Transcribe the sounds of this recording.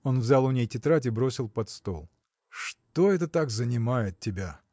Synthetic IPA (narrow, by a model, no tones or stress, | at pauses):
o̞nvzʲalˠʊnʲejtʲɪt̪ɾatʲɪbɾosʲɪlˠpɐt̪st̪o̞̰lˠ | ʂt̪o̞ɛt̪ət̪akzənʲɪmajɪt̪̚tʲːɪbʲa